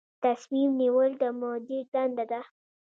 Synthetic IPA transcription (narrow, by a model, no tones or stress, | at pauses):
t̪asmimniwəld̪əmod̪iɖand̪ad̪a